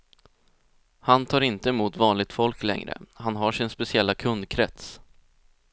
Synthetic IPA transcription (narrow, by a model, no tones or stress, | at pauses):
hant̪ʰɑːɾɪnt̪əmuːt̪vɑːnlɪɡ̚t̪fɔlklɛ̰ŋɾə̰hanɦaʂɪnspɛsɪɛlːakʰɵnd̪kʰɾɛ̰t̪s